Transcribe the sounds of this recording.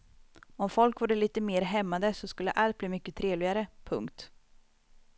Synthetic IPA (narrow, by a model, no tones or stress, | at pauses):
ɔmfɔlkvuːɖəliːt̪əmeːɾɦɛmːad̪əsɔskɵlːə̰ʔalt̪̚bliːmʏkːət̪ʰɾeːvlɪɡaɾəpʰɵ̰ŋkt̪